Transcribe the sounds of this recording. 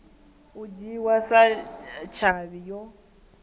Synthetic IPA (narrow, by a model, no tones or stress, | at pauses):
ud͡ʒiwasat͡ʃʰaβijɔ